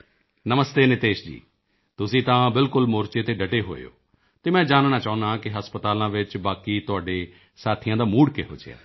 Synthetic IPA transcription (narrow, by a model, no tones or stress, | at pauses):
nəməst̪eːnɪt̪eːʃd͡ʒḭː | t̪ʊsĩːt̪ãːbɪlkʊlmoːɾt͡ʃeːt̪eːɖəʈeːɦo̰ːḛo̰ː | t̪eːmɛ̃ːd͡ʒaːnnãːt͡ʃaːʊ̃nãːkɪɦəspət̪aːlãːʋɪt͡ʃbaːkiːt̪ʊaːɖeː | saːt̪ʰɪjãːd̪aːmuːɽkḛːɦo̰ːd͡ʒḛa̰ː